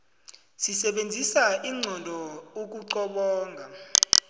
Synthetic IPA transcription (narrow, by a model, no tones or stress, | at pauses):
sisɛɓend͡zʱisaiŋ͡ǀʱɔndʱɔok̬ʼuǀɔɓɔːŋɡʱa